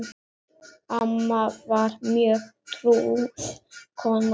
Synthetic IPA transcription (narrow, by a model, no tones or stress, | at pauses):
amavaɾmiətʰɾu | kʰɔn